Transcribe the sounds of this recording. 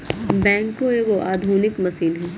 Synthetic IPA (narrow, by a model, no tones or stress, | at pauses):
bɛ̃ːŋkːoeːɡoʔaːd̪ʱuːnɪkmɐsiːnɦɛ̃